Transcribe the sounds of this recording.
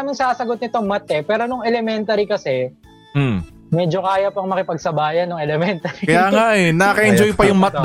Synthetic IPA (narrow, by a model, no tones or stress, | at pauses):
mɪŋsaːsɐɡot̪̚nɪt̪o̞ŋmɐt̪̚ʔɛpɛːɾonʊŋɛlɛmɛnt̪ɐɾikɐsɛ | mɛːd͡ʒo̞kaːjɐpoɐŋmɐkɪpɐɡ̚sɐbaːjɐnːʊŋɛlɛmɛnt̪ɐɾikɐjaːŋaʔɛnɐkɐʔɪnd͡ʒojpɐjʊŋmɐt̪